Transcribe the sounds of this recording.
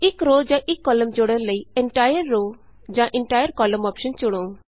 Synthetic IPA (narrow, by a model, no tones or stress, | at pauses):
ikɾod͡ʒãʔikːɔləmd͡ʒɔɽɛnləjɛɳʈajəɾːo | d͡ʒãʔɛɳʈajəɾkɔlɔmɔpʃənt͡ʃuɽ̃õ